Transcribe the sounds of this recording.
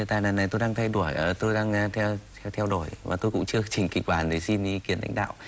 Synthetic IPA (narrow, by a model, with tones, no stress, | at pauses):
ə˨˩t̪aː˧˨jnaː˨˩na˨˩jt̪o˧jɗaː˧ŋt̪ʰa˧jɗu˧˩əjə˨˩t̪o˧jɗaː˧ŋ˧t̪ʰɛ˧ | t̪ʰɛ˧wɗo˧˩jvaː˨˩t̪o˧jkʊ̰˧˥ŋ͡mt͡ɕɨ˧ət͡ɕï˨˩ŋ̟kï˨˩k̟̚ɓaː˨˩nɗe˨˦si˧n˧kwi˨˩ənʔa̰˧˦ŋa̰ː˧˨ww